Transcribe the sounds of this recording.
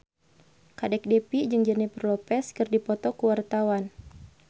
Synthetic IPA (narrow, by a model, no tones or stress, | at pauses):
kadɛk̚dɛpid͡ʒɨŋd͡ʒənipərlɔpɛskɨrdipɔt̪ɔkəwart̪awan